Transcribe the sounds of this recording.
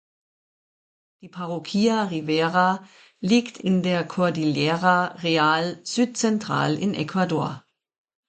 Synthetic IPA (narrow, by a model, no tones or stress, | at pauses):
d̥ipʰaʁokʰiːaʁiʋeːʁa | lɪɡ̥tʰɪndeɐkʰoɐdiljeːʁaʁeaːlsyːd̪̥sɛntʰʁ̥ɑ̰ːlɪnʔɛkʰʋadoɐ